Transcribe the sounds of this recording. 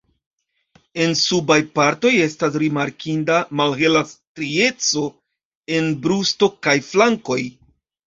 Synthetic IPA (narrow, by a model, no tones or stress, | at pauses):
e̞nsubajpaɾto̞je̞stas̬ɾimaɾkʰindamalhe̞lastɾie̞t͡so̞ | e̞nbɾusto̞kajflaŋko̞j